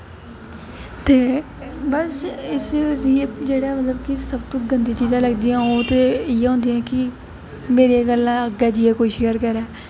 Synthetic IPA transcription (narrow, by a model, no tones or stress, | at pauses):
t̪eː | bəsɪsɾiːpd͡ʒeːɽaːmət̪ləbkɪsəbt̪õːɡənd̪iːt͡ʃiːzãːləɡd̪iːãːoːt̪eːɪːeɦõːnd̪iãːkɪ | meːɾeːɡəlãːəɡɛːd͡ʒiːɛːkoːiːʃeːəɾkəɾɛː